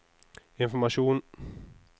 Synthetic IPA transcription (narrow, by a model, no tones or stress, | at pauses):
ɪnfɔɾmaʂuːn